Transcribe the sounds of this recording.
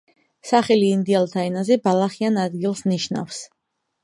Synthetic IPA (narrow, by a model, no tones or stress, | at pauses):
saχɛliːnd̪ialˠt̪ʰaɛnazɛbalˠaχianad̪ɡilˠsniʃna̰fs